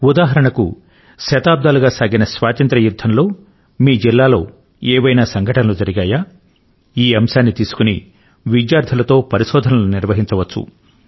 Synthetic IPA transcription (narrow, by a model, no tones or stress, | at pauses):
ud̪aːɦɐɾɐɳɐkṵ | ʃɐt̪aːb̚d̪aːluɡaːsaːɡinɐsʋaːt̪ɐnt̪ɾɐjud̪ʱːɐnlo̞ː | miːd͡ʒilːaːlo̞ː | eːʋɐjnaːsɐŋɡʱɐʈɐnɐluːd͡ʒɐɾiɡaːjaː | iːɐmʃaːnːit̪iːsu̥kuni | ʋid͡ʒjaːɾt̪ʰɐlɐt̪o̞ːpɐɾiʃɔːd̪ʱɐnɐluniɾʋɐɦiɲt͡ʃɐʋɐt͡ʃːṵ